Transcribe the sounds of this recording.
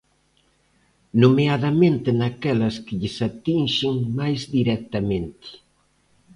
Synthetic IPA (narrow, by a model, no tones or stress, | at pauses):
numeaðɐmẽnt̪ɪnakɛlɐskɪʎɪsat̪inʃɪŋmajzdiɾɛk̚t̪ɐmẽnt̪ɪ̥